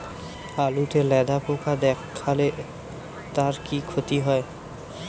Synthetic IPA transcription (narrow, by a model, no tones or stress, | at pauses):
alut̪elɛd̪apokad̪ɛkʰːale | t̪aɾkikʰot̪iɦɔe